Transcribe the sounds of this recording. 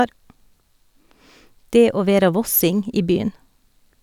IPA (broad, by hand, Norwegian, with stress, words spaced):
ˈdeː ˈoː ˈʋeːɾɑ ˈʋɔsɪŋ ˈiː ˈbyːən